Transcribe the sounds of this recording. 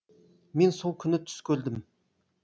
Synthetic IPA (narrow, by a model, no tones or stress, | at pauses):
mensolˠkʲʰynːɪt̪ʰy̥skʲøld̪ɪm